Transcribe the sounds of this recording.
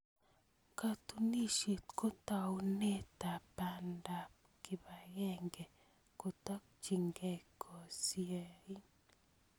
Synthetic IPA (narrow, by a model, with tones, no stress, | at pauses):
ka˨tu˨ni˦ʃe˨t̪ko˦ta˨u˦ne˦t̪a˨pa˨nda˨p̚ | ki˨ba˨ɣɛ˦ŋɡɛ˨ | ko˨t̪a˦k̚t͡ʃi˨ŋɡɛ˦kʰɔ˨si˦ɛ˨i˦